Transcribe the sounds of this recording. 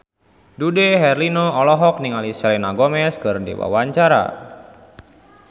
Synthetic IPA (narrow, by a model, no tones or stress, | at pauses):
dudeɦɛrlinoɔlɔɦɔk̚niŋalisɛlenaɡɔmɛskɨrdḭwa̰waɲt͡ʃaɾa̰